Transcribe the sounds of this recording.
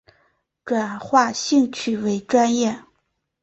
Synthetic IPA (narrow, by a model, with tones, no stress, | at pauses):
ʈ͡ʂwa˨˩nxwa˥˧ɕi˥˧ŋt͡ɕʰy˥˩we˧˥ɪʈ͡ʂwa˥njɛ˥˩